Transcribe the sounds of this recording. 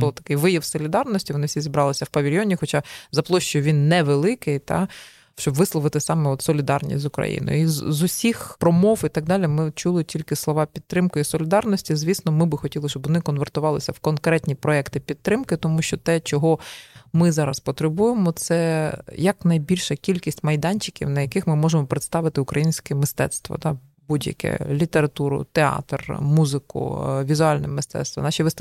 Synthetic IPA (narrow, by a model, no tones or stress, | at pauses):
bɔlˠɔt̪ɐ̥kɪjʋɪjɐwsɔlʲid̪ɑrnɔsʲtʲiʋɔnɪfsʲizʲibɾɑlˠɪsʲɐwpɐʋʲilʲjɔnʲixɔt͡ʃɑzɐplˠɔʃt͡ʃʊjʊʋʲinːɛʋelˠɪkɪjt̪ɑ̰ | ʃt͡ʃɔbʋɪslˠɔʋɪt̪ɪsɑmɛɔt̪sɔlʲid̪ɑ̰rnʲḭsʲtʲzʊkɾɐ̰jḭnɔ̰jʊizzʊsʲixpɾɔmɔwit̪ɑɡ̚d̪ɑlʲimɪt͡ʃulˠɪtʲilʲkɪslˠɔʋɑpʲid̪t̪ːɾɪmkʊisɔlʲɪd̪ɑrnɔsʲtʲizʲʋʲisnɔmɪbɪxɔtʲilˠɪʃt͡ʃɔbʋɔnɪkɔnʋert̪ʊʋɑlˠɪsʲɐwkɔnkɾɛt̪ʲnʲipɾɔɛkt̪ɪpʲid̪̚t̪ːɾɪmkɪt̪ɔmuʃt͡ʃɔt̪ɛt͡ʃɔɦɔmɪzɑɾɐspɔt̪ɾebujemɔt̪sɛjɐknɐjbʲilʲʃɐkʲilʲkʲisʲtʲmɐjd̪ɑnʲt͡ʃɪ̥kʲḭwnɐjɐkɪxmɪmɔʒemɔpɾet̪st̪ɑʋɪt̪ɪʊkɾɐjinʲsʲkɛmɪst̪ɛ̰t̪st̪ʋɔ̰d̪ɑ | budʲjɐ̰kɛ̰lʲit̪eɾɐt̪uɾʊ̰t̪eɑ̰t̪rmuzɪkʊ̰ʋʲizʊɑlʲnɛmɪst̪ɛ̰t̪st̪ʋɐ̰nɑʃiʋɪs